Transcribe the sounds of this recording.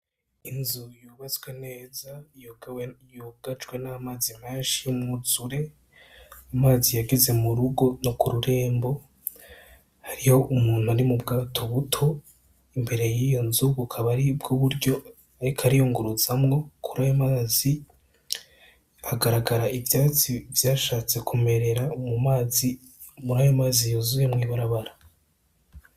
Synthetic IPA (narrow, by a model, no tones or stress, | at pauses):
inzujuːβat͡swene̞ːzajoɡwjoɡat͡ʃɡwe̞namaːzimeːnʃijommuzuɾe̞ | amaːzijaɡeze̞muɾuɡo̞nokuɾuɾe̞ːmbo̞ | haɾiho̞ʔumuːn̥huaɾimubɡaːtʰo̞βutʰo̞ | imbe̞ɾe̞jijo̞nzuβukʰaβaɾibɡoβuɾɟo̞ | aɾikʰaɾijoːŋɡuɾuzamŋo̞kʰuɾajomaːzi | aɡaɾaɡaɾaʔivjaːt͡sivjaːʃaːt͡se̞kʰume̞ɾe̞ɾamumaːzi | muɾaːjomaːzijozujemŋiːβaɾaβaɾa